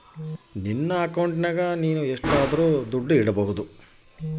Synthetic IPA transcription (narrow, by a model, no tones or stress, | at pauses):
ninːɐːkɐwɳʈnɐɡɐniːnueʂʈaːd̪ɐɾuːd̪uɖːuiɽɐbɐɦud̪u